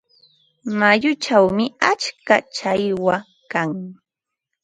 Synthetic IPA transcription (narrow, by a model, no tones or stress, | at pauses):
majʊt͡ʃawmɪat͡ʃka̰t͡ʃajwa | kaŋ